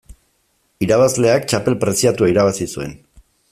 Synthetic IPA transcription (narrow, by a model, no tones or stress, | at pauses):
iɾaβ̞azle̞akt͡ʃape̞lpɾe̞siat̪uaiɾaβasisue̞̰n